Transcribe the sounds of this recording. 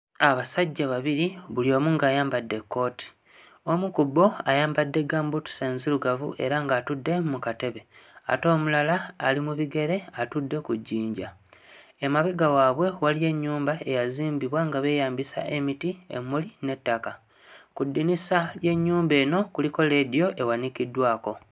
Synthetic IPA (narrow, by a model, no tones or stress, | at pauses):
aβasaɟːaβaβiɾiβuljo̞ːmuŋɡaːjaːmbadːe̞kːo̞ːtʰi̥ | o̞mukubo̞ajaːmbadːe̞ɡaːmbutu̥seːnziluɡavṵʔe̞̰ɾaŋɡaːtudːe̞mukate̞βe̞a̰to̞ːmulalaːlimuβiɡe̞ɾe̞atudːe̞kuɟːiːɲɟa | emaβeɡawaːβwe̞walie̞ɲːuːmbae̞jaziːmbiβwaŋɡaβe̞ːjaːmbisa̰ʔemitiḛmuline̞tːaka | kudːinisalje̞ɲːuːmbe̞ːno̞kuliko̞le̞ːdijo̞ʔe̞wanikidːwaːko̞